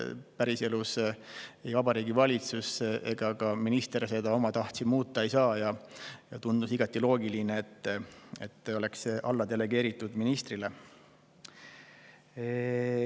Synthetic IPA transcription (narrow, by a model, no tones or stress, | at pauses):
pæɾise̞lus | ejvɑbɑɾiːɡivɑlʲit̪suse̞ɡ̥ɑɡɑminist̪e̞ɾse̞d̪ɑo̞mɑt̪ɑht̪si̥muːt̪ˑːɑejsɑːjɑjɑt̪und̪̥usiɡ̥ɑt̪ːˑilo̞ːɡilineet̪ˑːe̞t̪ːˑo̞le̞ksʔɑlːɑd̪e̞le̞ɡ̥e̞ːɾit̪ːˑud̪̥minist̪rile